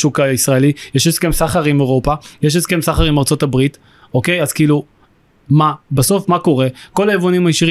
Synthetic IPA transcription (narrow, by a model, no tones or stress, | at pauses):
ʃukaisʁaelijeʃeske̞msaχaʁimeʁo̞pajeʃ̬eskemsaχaʁimaʁt͡so̞tabʁit | o̞ke̞jazkiːlu | mabaso̞fmako̞ʁe̞ko̞laevonimajeʃiʁ